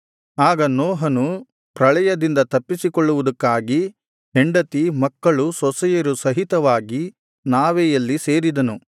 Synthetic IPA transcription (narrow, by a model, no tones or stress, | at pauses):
aːɡɐnɔːɦɐnu | pɾɐɭɐjɐd̪ind̪ɐt̪ɐpːisikɔɭːuʋud̪ɐkːaːɡi | eɳɖɐt̪imɐkːɐɭusɔsɛjɐɾusɐɦit̪ɐʋaːɡi | naːʋɛjɐlːise̞ːɾid̪ɐnu